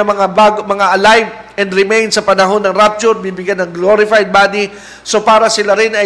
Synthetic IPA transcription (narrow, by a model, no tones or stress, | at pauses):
ɐmɐŋaaːɡmɐŋaʔɐlajv | ɛnd̪ɾɪmejnsɐpɐnɐɦo̞nːɐŋɾap̚t͡ʃʊɾbibɪɡjanːɐŋɡloɾɪfajd̪̚baːd̪i | so̞paːɾɐsɪlaɾɪnɐ